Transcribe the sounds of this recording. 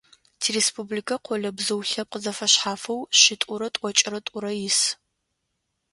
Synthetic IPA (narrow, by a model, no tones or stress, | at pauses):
tʰirespublikʰɐqʷɔɮɐbzɨwɬɐp̚qəzɐfɐɕħaːfɐwɕɪtʼʊɾɐtʼʷɔt͡ʃʼɪɾɐtʼʊɾɐjɪs